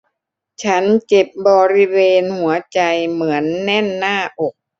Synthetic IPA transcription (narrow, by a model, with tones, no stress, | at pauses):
t͡ɕʰa˦˥nt͡ɕe˨˩p̚bɔː˧ɾi˦˥weː˧nhu˩˦ɐt͡ɕa˧jmɯ˩˦ənːɛ˥˩nːaː˥˩ʔo˨˩k̚